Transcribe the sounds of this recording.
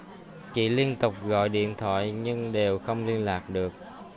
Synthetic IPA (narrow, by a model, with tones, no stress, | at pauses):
t͡ɕḭ˧˨li˧ənt̪ʊ˨˩k͡p̚ɣɔ̰˧˨jɗḭ˧˨ənt̪ʰwa̰ː˧˨jɲɨ˧ŋɗe˨˩wxə˧wŋ͡mli˧ənlaː˨˩k̚ɗɨ˨˩ək̚